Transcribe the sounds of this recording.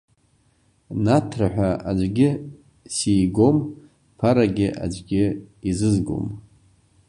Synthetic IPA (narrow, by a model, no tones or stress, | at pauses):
natʰraħʷᶣaad͡ʒʷɡʲɪ | sijɡo̞m | pʰaɾaɡʲɪʔa̰d͡ʒʷɡʲɪizɨzɡo̞̰m